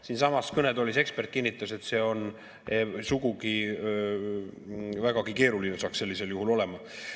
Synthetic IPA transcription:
siːnsɑmɑskɤned̪o̞lːise̞kspe̞rt̪̚kinːit̪ːˑuse̞t̪se̞ːo̞n | esuɡ̥uɡi | væɡ̥ɑɡ̥ike̞ːɾulinesɑːksse̞lːise̞ljuhulo̞le̞mɑ

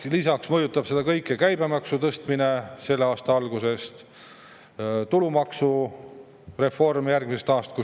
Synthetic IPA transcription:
lisɑksmɤ̞jut̪ːˑɑb̥se̞d̪̥ɑkɤjkːˑekæjbe̞mɑksut̪ɤst̪mine̞se̞lːeɑːst̪ɑɑlɡuse̞st̪ | t̪ulumɑksu | re̞fo̞rmjærɡ̥̚mise̞st̪ɑːst̪̚ku

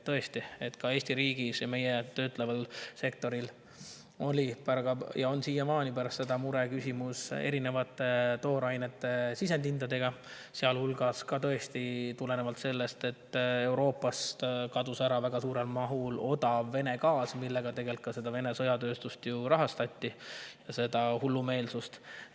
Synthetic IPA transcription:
t̪ɤ̞e̞st̪iet̪kɑe̞ːsʲt̪iɾiːɡ̥isjɑme̞jet̪ø̞ːt̪ːˑlevɑlse̞k̚t̪o̞ɾil | olʲipærɡɑjɑo̞nsiːjɑmɑːnʲipæɾɑst̪se̞d̪ɑmuɾekysʲimuseɾine̞vɑt̪ːet̪o̞ːɾɑjnet̪ːe̞sise̞nd̪ind̪ɑd̪e̞ɡ̥ɑ | seɑlhulɡ̥ɑskɑt̪ɤ̞e̞st̪it̪ule̞nevɑlt̪se̞lːe̞st̪e̞t̪ːe̞wɾo̞ːpːˑɑst̪kɑd̪usæɾɑvæɡ̥ɑsuːɾe̞lmɑɦulo̞d̪ɑvːe̞ne̞kɑːsmilːe̞ɡ̥ɑt̪e̞ɡe̞lt̪kːɑse̞d̪̥ɑve̞ne̞sɤjɑt̪ø̞ːst̪ust̪juɾɑɦɑst̪ɑt̪ʲːijɑse̞d̪̥ɑhulːume̞ːlsust̪

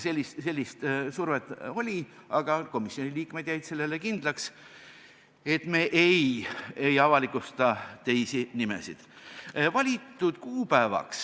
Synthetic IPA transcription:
se̞lʲːisse̞lʲːist̪survet̪ːˑo̞lʲi | ɑɡ̥ɑko̞misːio̞niliːkme̞d̪̥jæjd̪̥se̞lːe̞lekind̪̥lɑks | et̪me̞ʔejejɑvɑlikust̪ɑt̪e̞jsinimḛsḭd̪̥ | vɑlʲit̪ːˑud̪̥kuːpæevɑ̰ks

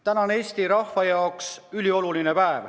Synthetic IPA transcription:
t̪ænɑne̞ːst̪iɾɑhvɑjɑoksylʲio̞luline̞pæev

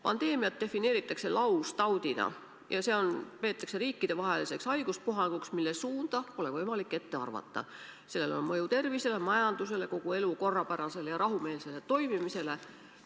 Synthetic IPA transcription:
pɑ̰nd̪̥e̞ːmiɑt̪̚d̪e̞fine̞ːɾit̪ːˑɑkse̞lɑwst̪ɑwd̪̥inɑ̰ | jɑse̞o̞npe̞ːt̪ːˑɑkse̞ɾiːkːid̪̥e̞vɑɦe̞lise̞ksɑjɡ̥uspuɦɑŋɡ̥uksmilːesuːnd̪̥ɑo̞le̞vɤjmɑlikːˑe̞t̪ːe̞ɑ̰rvɑ̰t̪ːˑɑ̰ | se̞lːe̞lo̞̰nmɤjut̪e̞rvise̞lemɑjɑnd̪̥use̞le̞ko̞ɡ̥ue̞luko̞rːɑpæɾɑse̞lejɑɾɑɦumeːlse̞le̞t̪o̞jmimise̞le̞

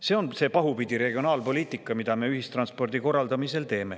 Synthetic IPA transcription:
se̞ːo̞nse̞ːpɑɦupid̪̥iɾe̞ɡ̥io̞nɑːlpo̞liːt̪ˑikːˑɑmid̪̥ɑme̞yhist̪rɑnspo̞rd̪̥iko̞rːɑld̪ɑmise̞lt̪e̞ːme̞

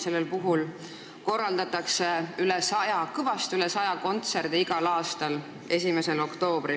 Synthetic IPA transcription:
selːelpuɦul | ko̞rːɑld̪̥ɑt̪ːˑɑkseylesɑjɑkɤvɑst̪ylesɑjɑko̞nt̪serd̪̥iɡ̥ɑlɑːst̪ɑl | e̞sʲime̞se̞lo̞kt̪o̞ːb̥ri

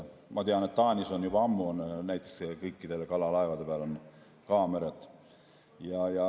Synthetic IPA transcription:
mɑt̪eɑnet̪ːɑːnʲiso̞njub̥ɑɑmːuonnæjt̪ːˑekskɤjkːid̪̥elkɑlɑlɑevɑd̪e̞peælon | kɑːmeɾɑt̪ | jɑjɑ

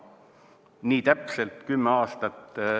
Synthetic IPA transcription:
niːt̪æpse̞lt̪kymːeɑːst̪ɑt̪ː

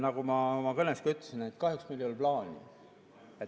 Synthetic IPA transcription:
nɑɡ̥umɑmɑkɤneskɑyt̪ːˑe̥sinet̪kɑhuksmelolplɑːnʲḭ | et̪

